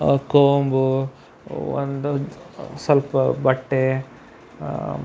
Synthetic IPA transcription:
koːmbu | o̰nd̪usɐlpɐbɐʈːe

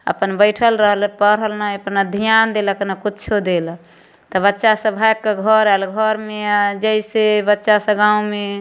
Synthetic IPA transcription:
ə̰pənbəɪʈʰəlɾəɦəlpəɾəlnaəpnəd̪ʱijand̪eləkənakutːt͡ʃʰod̪el | t̪ɔbətːʃasə̃bʱajkːeɡʱəɾɛlɡʱəɾmead͡ʒəisebətːʃasə̃ɡãũme

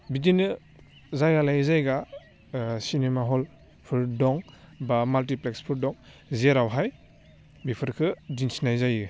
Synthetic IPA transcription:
bidinɯ | zajɡalajzajɡa | sinemaɦɔl | pʰɯɾdɔŋ | bamalt̬iplekspʰɯɾdɔŋ | zeɾawɦaj | bipʰɯɾkʰɯdinsinajzajɯ

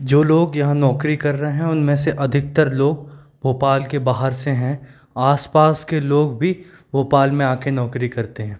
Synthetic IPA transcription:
d͡ʒoːloːɡjɐɦãnɔːkɾikɐɾːɐɦeɦɛ̃ʊnmẽseʔɐd̪ʱɪk̚t̪əɾloːɡ | bʱoːpaːlkebaːɦəɾseɦɛ̃ | aːspaːskeloːɡbʱi | bʱoːpaːlmẽaːkenɔːkɾikɐɾt̪eɦɛ̃ː

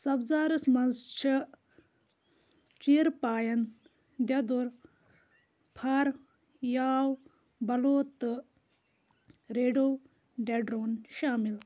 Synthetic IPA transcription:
sɐbzaːɾɐsmɐnzt͡ʃʰi | t͡ʃiːɾpaːjɐn | d̪ʲjɐd̪uɾ | pʰaɾ | jaːw | bɐloːt̪ɨ | ɾeːɖoː | ɖeɖɾoːnʃaːmil

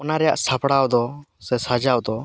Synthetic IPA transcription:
ɔnaɾɛja̰ʔsapɽawd̪ɔsɛsad͡ʒawd̪ɔ

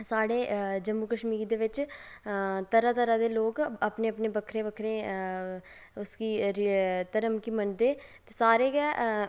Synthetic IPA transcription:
saːɽeːd͡ʒəmːuːkəʃmiːɾd̪eːʋɪt͡ʃ | t̪əɾaːt̪əɾaːd̪eːloːkəpneːəpneːbəkʰɾẽːbəkʰɾẽː | ʊskiːɾt̪əɾəmkiːmənd̪eː | t̪eːsaːɾeːɡɛː

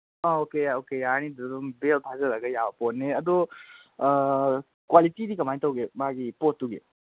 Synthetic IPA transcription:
aokeokejanidɔɾumbeltʰazɐɾaɡɐjabɐpɔtneɐd̪ɔ | kwalitidikɐmajtɐwɡemaɡipotːuɡe

